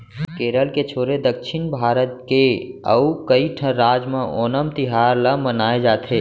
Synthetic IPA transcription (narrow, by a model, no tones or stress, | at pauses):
keːɾəlket͡ʃʰoːɾed̪əkʃɪnbʱaːɾət̪̚keə̰ukəiʈʰə̃ɾaːd͡ʒmẽʔoːnəmt̪ɪɦaːɾləmənaːed͡ʒaːt̪ʰeː